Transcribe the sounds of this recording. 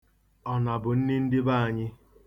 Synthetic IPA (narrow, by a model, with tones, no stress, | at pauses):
ɔ˨na˨bʊ˨n̩˦nɪ˦n̩˦dɪ˦ba˦˨a˨ɲɪ˦